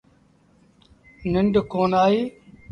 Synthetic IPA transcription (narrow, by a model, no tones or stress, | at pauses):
nɪɳɖkoːnaːɦiː